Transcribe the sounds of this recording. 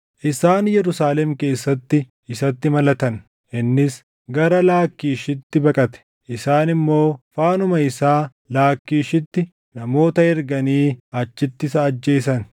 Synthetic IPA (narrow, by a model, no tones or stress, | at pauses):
ʔɪsaːnjɛɾʊsaːlɛmke̞ːsːɐt̪ːɪ | ɪsɐt̪ːɪmɐlɐt̪ɐn | ʔɪnːɪs | ɡɐɾɐlaːkːiːʃɪt̪ːɪbɐkʼɐt̪ɛ̥ | ʔɪsaːnɪmːo̞ːfaːnʊmɐɪsaː | laːkːiːʃɪt̪ːɪ | nɐmo̞ːt̪ɐɛɾɡɐniːɐt͡ʃːɪt̪ːɪsɐːd͡ʒːe̞ːsɐn